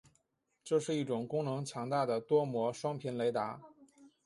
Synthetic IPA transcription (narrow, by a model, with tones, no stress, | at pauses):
ʈ͡ʂɤ˥˧ʂɻ̩˥˧i˥˩ʈ͡ʂʊ˨˩ŋkʊ˥ŋnɤ˧˥ŋt͡ɕʰjɑ˧˥ŋt̪a˥˩d̪ə˩t̪wɔ˥mwɔ˧˥ʂwɑ˥ŋpʰjɛ˧˥nle˧˥ɪt̪a˧˥